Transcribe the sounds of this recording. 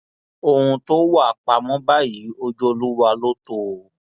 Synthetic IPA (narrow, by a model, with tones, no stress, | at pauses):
o˧hũ˧to˦wa˦˨k͡pa˧mɔ̃˦ba˦ji˨˦o˧d͡ʒo˦o˧lu˦wa˧lo˦to˦